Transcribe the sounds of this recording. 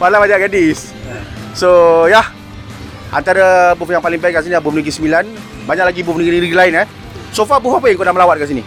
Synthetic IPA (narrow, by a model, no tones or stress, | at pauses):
walabad͡ʒaʔɡadis | sojah | ʔa̰nt̪aɾəbufjaŋpalɪŋbɛkansiniabufniɡisəmilan | baɲaʔlaɡibufniɡininiɡilaɪnɛ | sofabufapəjaŋkoʔdahməlawat̪̚kans̬ini